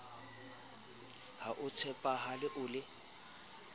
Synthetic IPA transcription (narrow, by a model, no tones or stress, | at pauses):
haʔʊt͡sʰɛpʼaɦalɪʔʊːlɪ